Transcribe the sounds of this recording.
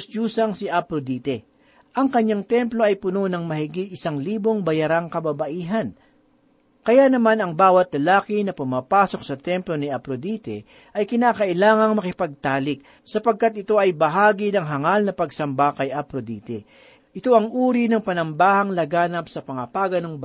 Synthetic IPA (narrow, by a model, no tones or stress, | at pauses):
st͡ʃuːsɐŋsɪʔɐpɾod̪iːt̪ɛ | ʔɐŋkɐɲːaŋt̪ɛmplo̞ɐjpʊno̞nɐŋmɐhɪɡɪt̪̚ʔɪsaŋliːbo̞ŋbɐjɐɾaŋkɐbɐbɐʔiːɦɐn | kɐjanɐmanɐŋbaːwɐt̪̚lɐlaːkɪnɐpʊmaːpaːso̞k̚sɐt̪ɛmplo̞nɪʔɐpɾod̪iːt̪ɛ | ʔɐjkɪnaːkɐʔɪlaːŋɐŋmɐkɪpɐɡ̚t̪aːlɪk̚ | sɐpɐɡ̚kat̪̚ɪt̪o̞ɐjbɐɦaːɡinɐŋɦɐŋalnɐpɐɡsɐmbakɐjʔɐpɾod̪ḭːt̪ɛ | ʔɪt̪o̞ʔɐŋʔuːɾinɐŋpɐnɐmbaːhɐŋlɐɡaːnɐpsɐpɐŋɐpaːɡɐnɐŋb